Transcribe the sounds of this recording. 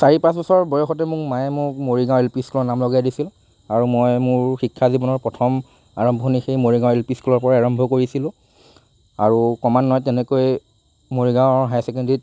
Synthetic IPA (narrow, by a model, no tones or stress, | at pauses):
saɹipãs̬bɔsɔɹbɔjɔxɔtɛmʊkmajɛmʊkmoɹiɡãw̃ɛlpiskulɔnamlɔɡajdisil | aɹumojmʊɹxikʰːazibɔnɔɹpɹɔtʰɔm | aɹɔmbʱɔnixejmoɹiɡãw̃ɛlpiskulɔɹpɔɹaaɹɔmbʱɔkoɹisilʊ̃ | aɹukɔmanːɔjtɛnɛkoj | moɹiɡãʊɦajsɛk̬ɛndit